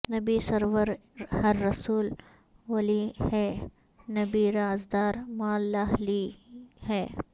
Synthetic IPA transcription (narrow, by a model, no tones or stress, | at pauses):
nɐbisɐɾʋəɾhɐɾːɐsuːl | ʋɐlihɛː | nɐbiɾaːzd̪aːɾmaːlːaɦlihɛː